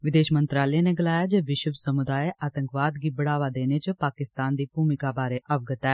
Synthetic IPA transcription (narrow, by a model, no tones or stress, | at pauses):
ʋɪd̪eːʃmənt̪ɾaːlɛeːneːɡəlaːjaːd͡ʒeːʋɪʃəʋsəmʊd̪aːeʔaːt̪ə̃ŋkʋaːd̪ɡiːbəɽaːʋaːd̪eːneːt͡ʃəpaːkɪst̪aːnd̪iːpuːmɪkaːbaːɾeːʔəʋɡət̪ɛː